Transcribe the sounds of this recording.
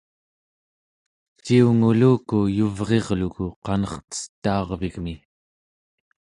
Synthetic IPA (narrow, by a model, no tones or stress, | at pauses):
t͡ʃiuŋuluːkujuvʁe̞ʁlukuqɑnʌχt̪ə̥st̪ːɑːʁviɣmi